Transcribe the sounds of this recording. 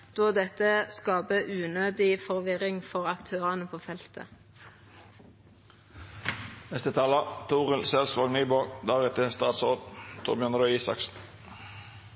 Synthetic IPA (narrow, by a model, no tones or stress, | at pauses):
d̪̥oːd̪ɛt̪əskɑːbəʔʉːnøːd̪ɪfɔʁʋɪʁɪŋfɔʁɑkt̪ʰøːʁɑnəpʰoːfɛlt̪ʰə̰ | nɛst̪ət̪ʰɑːlət̪ʰuːʁəlsɛlsʋɑɡnyːboɡd̪ɑːʁɛt̪ʰəst̪ɑːt̪sʁoːd̪t̪ʰʊ̰ːbjœnəɾœiːsɑ̰ksn̩